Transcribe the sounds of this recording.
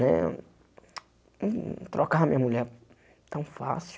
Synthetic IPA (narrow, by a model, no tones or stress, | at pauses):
nɛ̰ | t̪ɾɔkaɐmĩɲɐmuʎɛɾ | t̪ɐ̃w̃fa̰si